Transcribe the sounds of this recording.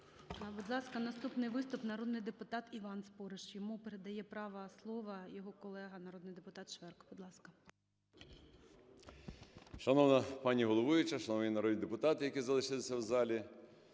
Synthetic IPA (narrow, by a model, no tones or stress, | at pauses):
bɔd̪lˠɑskɐnɐst̪upnɪjʋɪst̪ʊpnɐɾɔd̪nɪjd̪epʊt̪ɑt̪iʋɑnspɔɾeʃjɔmupeɾed̪ɐjɛpɾɑʋɐslˠɔʋɐjɔɦɔkɔlˠɛɦɐnɐɾɔd̪nɪjd̪epʊt̪ɑt̪ʃʋɛrkb̥ɔd̪lˠɑskɐ | ʃɐnɔʋnɐpɑnʲiɦɔlˠɔʋʊjʊt͡ʃɐʃɐnɔʋnʲinɐɾɔd̪nʲid̪epʊt̪ɑt̪ɪjɐkizɐlˠɪʃɪlˠɪsʲɐwzɑlʲi